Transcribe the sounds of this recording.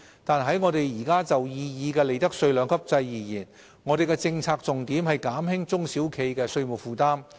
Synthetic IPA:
t̪aː˨nɦɐ˨˥jŋɔː˨˧ɾe˨jjiː˨˩kaː˥t͡sɐ˨wjiː˧jiː˨˧kɛː˧le˨jt̪ɐ˥k̚sɵ˧ɥlœː˨˧ŋkʰɐ˥p̚t͡sɐ˧jːiː˨˩jiː˨˩n | ŋɔː˨˧ɾe˨jkɛ˧t͡sɪ˧ŋt͡sʰaː˧k̚t͡sʊ˨ŋt̪iː˨˥mhɐ˨jkaː˨˥mhɪ˥ŋt͡sʊ˥ŋsiː˨˥wkʰe˨˧jkɛː˧sɵ˧ɥmʊ˨k̚fuː˨˩t̪aː˥m

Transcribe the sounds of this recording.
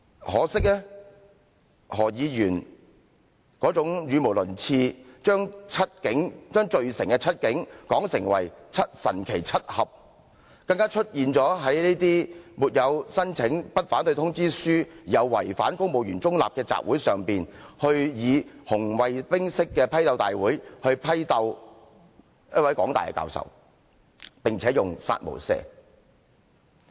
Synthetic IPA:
hɔː˨˥sɪ˥k̚lɛ˥ | hɔː˨˩jiː˨˧jyː˨˩n | kɔː˨˥t͡sʊ˨˥ŋjyː˨˧m˨˩wlɵ˨˩nt͡sʰiː˧t͡ʃœː˥ŋt͡sʰɐ˥t̚kɪ˨˥ŋt͡ʃœː˥ŋt͡ʃɵ˨˧ɥsɪ˨˩ŋkɛ˧t͡sʰɐ˥t̚kɪ˨˥ŋkɔː˨˥ŋsɪ˨˩ŋwɐ̰˨˩jt͡sʰɐ˥t̚sɐ̰˨˩nkʰe˨˩jt͡sʰɐ˥t̚hɐ˨p̚ | kɐ˧ŋkaː˥t͡ʃʰɵ˥t̚jiː˨nt͡sɔː˨˥ɦɐ˨˥jneː˥t̪iː˥muː˨t̚jɐ˨˧wsɐ˥nt͡sʰɪ˨˥ŋpɐ˥t̚faː˨˥nt̪ɵ˧jt̪ʰʊ˥ŋt͡siː˥syː˥iː˨jɐ˨˧wːɐ̰˨˩jfa̰ː˨˥nkʊ˥ŋ̚mo˨wjyː˨˩nt͡sʊ˥ŋla̰ː˨p̚kɛː˧t͡sa̰ː˨p̚wuː˨˥jsœː˨ŋpiː˨nhɵ˧ɥjiː˨˧hʊ˨˩ŋwɐ˨jpɪ˥ŋsɪ˥kːɛː˧pʰɐ˥jt̪ɐ˧wt̪aː˨jwuː˨˥jhɵ˧ɥpʰɐ˥jt̪ɐ˧w | jɐ˥t̚wɐ˨˥jkɔː˨˥ŋt̪aː˨jkɛ̰˧ka̰ː˧wsɐ̰˨w | pɪ˨ŋt͡sʰɛː˨˥jʊ˨ŋsa̰ː˧t̚mo̰˨˩wsɛ̰ː˧

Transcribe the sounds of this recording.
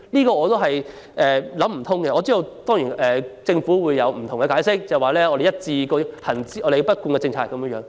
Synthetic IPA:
liː˥kɔː˧ɔː˨˧t̪o˥ɦɐ˨j | ʔɛː˨lɐ˨˥mm̩˨˩t̪ʰʊ˥ŋkɛ˧ʔɔː˨˧t͡siː˥d̪o˨˧wt̪ɔː˥ŋjiː˨˩nɛː˨t͡sɪ˧ŋfuː˨˥wuː˨˧jːɐ˨˧wm̩˨˩t̪ʰʊ˨˩ŋkɛ˧kaː˨˥jsɪ˥k̚t͡sɐ˨jwaː˨˩lɛː˥ɔː˧ɾe˨jɐ˥t̚t͡siː˧kɔː˧hɐ˨˩nt͡siː˥ʔɔː˨˧d̪e˨pɐ˥t̚kuː˧nkɛ˧t͡sɪ˧ŋt͡sʰaː˧˥kːɐ˨˦mjəː˧˥jœː˨˥ŋ

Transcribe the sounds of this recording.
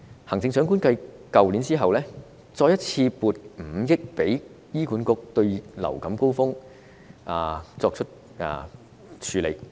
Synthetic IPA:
hɐ˨˩ŋt͡sɪ˧ŋsœː˨˥ŋk̬uː˥nkɐ˧j | kɐ˨wli˨˥nt͡siː˥ɦɐ˨wlɛː˥ | t͡sɔː˧jɐ˥t̚t͡sʰiː˧puː˨˧t̚m̩˨˩jɪ˥k̚pe˨˥j | jiː˥ku˨˥nkʊ˧k̚t̪ɵ˧ɥlɐ̰˨˩wkɐ˨˥mko˥wfʊ˥ŋ | ʔaː˨˧t͡sɔː˧k̚ʰɵ˥t̚ | a̰ː˨˧ | t͡ʃʰyː˨˥lḛ˨˩j

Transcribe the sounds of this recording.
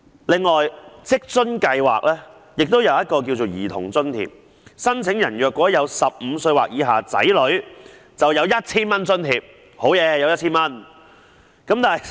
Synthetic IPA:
lɪ˨ŋːɔː˨˩jt͡sɪ˥k̚t͡sɵ˥nkɐ˧jwa̰ː˨k̚lɛː˥ | jɪ˨k̚t̪o˥wjɐ˨˧wjɐ˥t̚kɔː˧k̬i˧wt͡so˨wjiː˨˩t̪ʰʊ̰˨˩ŋt͡sɵ˥nt̪ʰḭ˨p̚ | sɐ˥nt͡sʰɪ˨˥ŋjɐ˨˩njœː˨kʷːwɔː˨˥jɐ˨˧wsɐ˨p̚m̩ː˨˧sɵ˧ɥwaː˨k̚jiː˨˧ɦaː˨t͡sɐ̰˨˥jlɵ˨˥ɥ | t͡sɐ˨wjɐ˨˧wjɐ˥t̚t͡sʰiː˥nmɐ˥nt͡sɵ˥nt̪iː˨p̚ | ho˨˥wjɛː˨˧jɐ˧wjɐ˥t̚t͡sʰiː˥nmɐ˥n | kɐ˨˥mt̪aː˨

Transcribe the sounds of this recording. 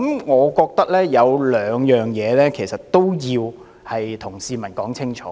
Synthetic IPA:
mŋɔː˨˧kɔː˧k̚t̪ɐ˥k̚lɛː˥jɐ˨˧wlœː˨˧ŋjœː˨ŋjɛː˨˧lɛː˥kʰe˨˩jsɐ˨t̚t̪o˥wjiː˧w | hɐ˨jt̪ʰʊ˨˩ŋsiː˧mɐ˨˩nkɔː˨˥ŋt͡sʰɪ˥ŋt͡ʃʰɔ̰ː˨˦

